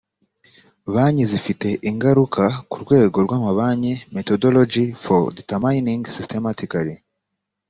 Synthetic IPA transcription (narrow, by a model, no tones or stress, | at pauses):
βaːɲizifite̞ʔiŋɡaɾukʰakuɾɡwe̞ːɡo̞ɾɡwaːmaβaɲeme̞todolod͡ʒifoditamajniŋɡsistematikaɾi